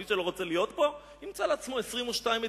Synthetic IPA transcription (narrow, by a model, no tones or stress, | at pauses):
iʃelo̞ʁot͡selijo̞t̪po̞ | nimt͡saleat͡smoesʁimuʃtaime